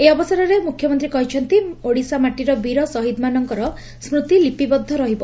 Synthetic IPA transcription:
eɔbɔsaɾɔɾemukʰjɔmɔnt̪ɾikɔɦit͡ʃʰɔnt̪ioɽisamaʈiɾɔbiɾɔsɔɦid̪manɔŋkɔɾɔ | smɾut̪ilipibɔd̪ʱːɔɾɔɦibɔ

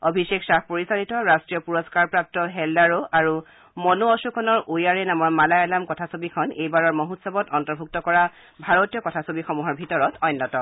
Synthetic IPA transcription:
obʱiseksapoɹisanitɔɹastɹijɔpuɹɔskaɹpɹap̚tɔɦɛlːaɹoʔaɹu | mɔnuɔsukʰɔnɔɹʔojaɹɛnamɔɹmalajalamkɔtʰasobikʰɔnejbaɹɔɹmoɦutsɔbɔtɔntɔɹbʱuk̚tɔkɔɹa | bʱaɹotijɔkɔtʰasobixɔmuɦɔɹbʱitɔɹɔtɔjnːɔtɔ

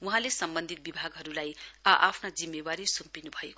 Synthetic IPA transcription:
uɦãlesʌmbʌnd̪ʱit̪̚bibʱaɡɦʌɾulajʌʔapʰnad͡zimːebaɾisumpinubʱʌek

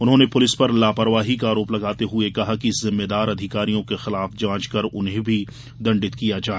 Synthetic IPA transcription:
ʊnɦõːnepʊlɪspɐɾlaːpɐɾʋaːɦikaːɾoːplɐɡaːt̪eɦʊekɐɦakizɪmːed̪aːɾɐd̪ʱɪkaːɾijõkexɪlaːfd͡ʒãːt͡ʃkɐɾʊnɦẽbʱi | d̪ɐ̃ɳɖɪt̪kijad͡ʒaː

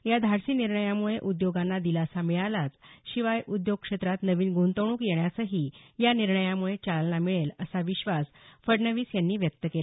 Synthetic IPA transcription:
jad̪ʱaɾsiːniɾɳəjamuɭeʔud̪joɡanːad̪ilasamiɭalat͡sɕiʋajud̪joɡ̚kʂet̪ɾat̪nəʋiːnɡʱont̪əɳ̃uːkjeɳjasəɦiːjaniɾɳəjamuɭet͡salnamiɭeləsaʋiɕʋasfəɽnəʋiːsjanːiːʋjək̚t̪əkela

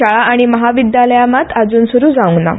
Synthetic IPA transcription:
aɭaaɽ̃iməɦaʋid̪jaləjamat̪ʰad͡zuːnsuɾuːd͡zauŋna̰

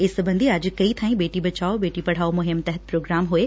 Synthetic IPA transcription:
ɪsbɐ̃nd̪iɐd͡ʑ̆kɐit̪ʰãːĩbeːʈibɐt͡ɕaːobeːʈipɐɽ̤aːomʊɦɪmt̪ɛɦət̪̚pɾoːɡɾaːmɦʊe

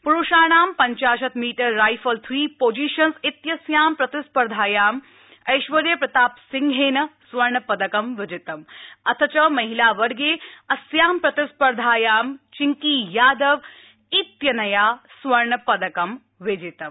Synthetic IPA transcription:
puɾuʃaːɳaːmpɐɲt͡ʃaːʃ̬ɐt̪miːʈɐɾːaːjfɐlt̪ʰɾiːpoːd͡ʒiːʃɐnsit̪jɐsjaːmpɾɐt̪ɪspɐɾd̪ʱaːjaːm | ɐjʃʋɐɾjɐpɾɐt̪aːpsɪŋɡʱeːnɐsʋɐɾɳɐpɐd̪ɐkɐmʋɪd͡ʒɪt̪ɐmɐt̪ʰɐt͡ʃɐmɐɦilaːʋɐɽɡeːɐsjaːmpɾɐt̪ɪspɐɾd̪ʱaːjaːmt͡ʃɪŋkiːjaːd̪ɐʋ | it̪jɐnɐjaːsʋɐɾɳɐpɐd̪ɐkɐm | ʋɪd͡ʒɪt̪ɐm

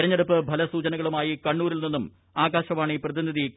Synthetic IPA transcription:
ɾɐɲːeɽupːɨbʱɐlɐsuːt͡ɕɐnɐɣɐɭumaːjikɐɳːuːɾilninːum | aːɡaːɕɐmaːɳiprɐðiniði

